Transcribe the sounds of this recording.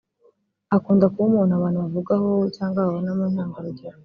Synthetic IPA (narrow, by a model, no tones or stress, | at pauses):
akuːndakumuːnaβaːnhuβavuɡaho̞caːŋɡaβaβonamunaːŋɡaɾoɟiɾa